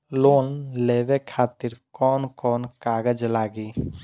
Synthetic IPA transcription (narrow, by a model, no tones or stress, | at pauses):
loːnleːʋekʰaːt̪ɪɾkɔːnkɔːnkaːɡəd͡ʒlaːɡi